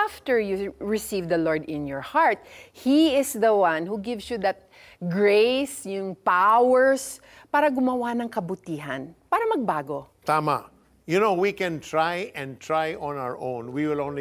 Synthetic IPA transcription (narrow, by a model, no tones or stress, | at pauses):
aft̪ɛɹjuɹɪsivd̪ɐloɹd̪ɪ̃njɔɹhaɹt̪̚hiɪsðɐwãnhuɡɪvsjud̪ɐt̪̚ | ɡɹesjʊŋpawɛɹs | paːɾɐɡʊmɐwanɐŋkɐbʊt̪iːɦɐnpaːɾɐmɐɡ̚baːɡo | t̪aːma̰ | jʊnowikɛ̃nt̪ɹajɛ̃nt̪ɹajʔɔ̃naəɹʔõwnwiwɪlõnl